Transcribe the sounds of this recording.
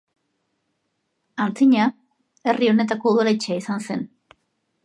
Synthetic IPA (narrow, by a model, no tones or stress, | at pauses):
ant͡siɲa | e̞rio̞ne̞t̪ako̞uðolat͡ʃeaisanse̞n